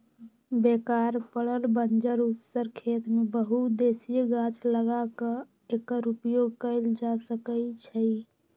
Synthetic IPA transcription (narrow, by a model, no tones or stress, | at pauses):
bekaɾpəɽəlbənd͡ʒəɾusəɾkʰet̪mebəɦud̪esijeɡat͡ʃləɡakə̃ | ekːəɾupjoɡkəɪld͡ʒasəkət͡ʃʰəj